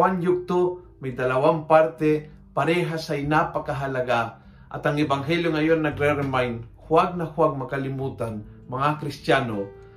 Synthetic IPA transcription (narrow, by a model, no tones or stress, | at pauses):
anjʊk̚t̪o | majd̪ɐlawampaɾt̪ɛ | paɾɛːɦasaɪnapakaɦalaɡa | ʔa̰t̪aŋɛbaŋɦɛljoŋajonːaɡɾɛɾɛnmajnhwaɡ̚nahwaɡ̚makalɪmuːt̪an | mɐŋakɾɪst̪jaːno